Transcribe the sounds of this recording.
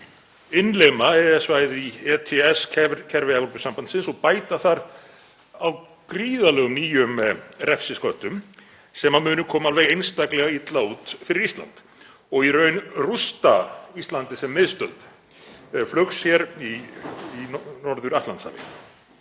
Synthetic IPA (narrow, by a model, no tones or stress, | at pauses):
ɪnlemaɛɛsvaːjðɪiɛt̪ʰɛɛskʰɛcʰɛɾvɪavlɔpʏ̥sampansɪnsɔɣpaːjt̪aθaɾ | aw | kɾiːðalɛːɣʏmniːjʏmrɛfsɪskœht̪ʏm | sɛmamʏːnʏkʰɔːmaalvɛɣejnst̪aklɛɣait̪lauːt̪fɪɾɪɾist̪la̰nt̪ | ɔɣirœːɥnrust̪aist̪lant̪ɪsɛmːɪðst̪œðt̪ | flœxshjɛɾiinɔɾðʏɾaht̪ant̪sa̰lɪ̰